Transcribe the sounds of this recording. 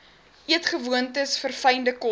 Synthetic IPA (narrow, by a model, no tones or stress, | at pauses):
ʔiətχəvuəntəsfərfɛjndəkɔ